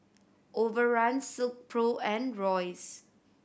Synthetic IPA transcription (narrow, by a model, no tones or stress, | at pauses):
ʔovəɹãnsɪlk̚pʰɹoɛ̃nɹɔɪs